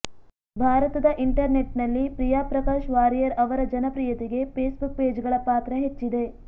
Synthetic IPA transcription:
bʱaːɾɐt̪ɐd̪ɐʔiɳʈɐɾneʈnɐlːipɾijaːpɾɐkaːʃʋaːɾijɐɾɐʋɐɾɐd͡ʒɐnɐpɾijɐt̪iɡe̞peːsbuk̚peːd͡ʒɡɐɭɐpaːt̪ɾɐɦet͡ʃːid̪e̞

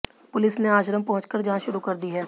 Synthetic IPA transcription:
pʊlɪsneaːʃɾəmpɐɦʊ̃t͡ʃkəɾd͡ʒɐɦãʃʊɾukɐɾd̪iɦɛː

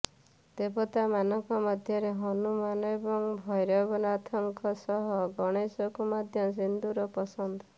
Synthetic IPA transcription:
d̪̥ebɔt̪amanɔŋkɔmɔd̪ʱjɔɾeɦɔnumanɔebɔŋbʱɔjɾɔbɔnɔat̪ʰɔŋkɔsɔɦɔɡɔɽ̃esɔkumɔd̪ʱjɔs̬ind̪uɾɔpɔsɔnd̪ɔ

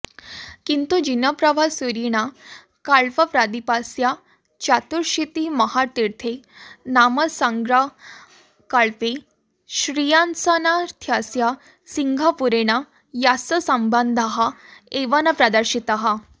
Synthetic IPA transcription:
kint̪ud͡ʑinəpɾəʋʱasuɾiɽ̃a | kaɭpəpɾad̪ipasja | t͡ɕat̪uɾɕit̪iməɦaɾt̪iɾt̪ʰenaməsãŋɡɾa | kaɭpe | ɕɾijansanaɾt̪ʰjasja | siŋɡʱapuɾeɽ̃a | jasəsəmband̪ʱaɦaeʋanapɾad̪əɾɕit̪aɦa

